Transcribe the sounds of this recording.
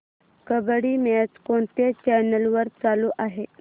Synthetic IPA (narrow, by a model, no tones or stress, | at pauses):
kəbɽiːmɛt͡skoɳt̪et͡ɕɛnəlʋəɾt͡saluʔaɦe